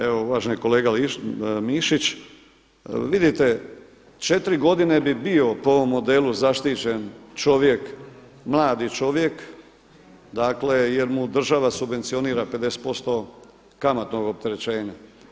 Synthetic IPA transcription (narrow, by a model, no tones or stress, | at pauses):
eʋouʋaːʒeniko̞leːɡalimiʃit͡ɕ | ʋid̪it̪e̞ | t͡ʃet̪ɾiɡo̞d̪ine̞bibio̞poo̞ʋo̞mːo̞d̪eluzaʃt̪it͡ɕe̞nt͡ʃo̞ʋje̞k | mlˠaːd̪it͡ʃo̞ʋjek | d̪aːkle̞je̞ɾmud̪r̩ʒaʋasubʋe̞nt̪sio̞niːɾaped̪e̞se̥t̪po̞st̪o̞ | kamat̪no̞ɡop̚t̪e̞ɾet͡ɕe̞ːɲa